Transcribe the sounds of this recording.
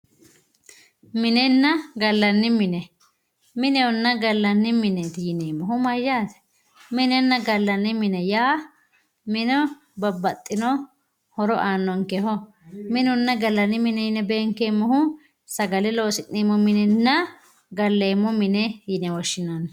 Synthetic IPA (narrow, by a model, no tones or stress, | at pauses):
mɪnɛnːɐɡɐlːɐnːɪmɪnɛ | mɪnɛwɔnːɐɡɐlːɐnːɪmɪnɛt̪ɪjɪneːmːɔhʊmɐjːaːt̪ɛ̥ | mɪnɛnːɐɡɐlːɐnːɪmɪnɛjaː | mɪnɔ | bɐbːɐt̪ʼːɪnɔ | hɔɾɔʔaːnːɔŋkɛhɔ | mɪnʊnːɐɡɐlːɐnːɪmɪnɛjɪnɛbeːŋkːeːmːɔhʊ | sɐɡɐlɪloːsɪnːiːmɔmɪnɛnːɐ | ɡɐlːeːmːɔmɪnɛjɪnɛwɔʃːɪnan